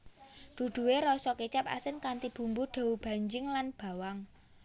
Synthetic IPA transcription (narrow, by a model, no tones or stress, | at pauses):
ɖ̪̥ṳɖ̪̥ṳweɾɔsɔket͡ʃap̚a̰sɪnkant̪ib̥ṳmbuɖ̪̥a̤ub̥a̤ɲd͡ʒɪŋlanb̥a̤waŋ